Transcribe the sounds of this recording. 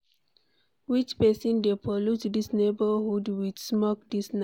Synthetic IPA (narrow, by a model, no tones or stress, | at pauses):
wit͡ʃpɛsɔ̃ndepɔlutdisnebəhudwidsmɔk̚disn